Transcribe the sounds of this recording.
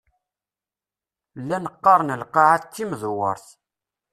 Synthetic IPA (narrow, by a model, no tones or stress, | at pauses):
lːænəqːɑɾˤnəlqɑʕaθt͡sːiməðwə̰ɾˤθ